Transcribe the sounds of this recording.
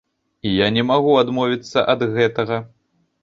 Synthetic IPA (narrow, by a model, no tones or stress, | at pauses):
ijanʲɛmaɣuad̪mɔvʲit̪sːɐʔɐd̪ɣɛt̪ɐɣɐ